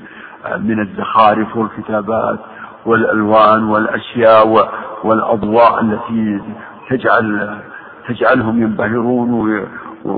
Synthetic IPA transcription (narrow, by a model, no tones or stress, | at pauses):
mɪnazːaxaːɾɪfwɪlkɪt̪aːba̰ːt̪ | wɪlʔa̰lwaːnwɪlʔaʃjaːʔwwɪlʔɑ̰d̪ˤwɑːʔalːat̪i | t̪ad͡ʒʕal | t̪ad͡ʒʕalɦʊmjɪmbahɪɾuːnw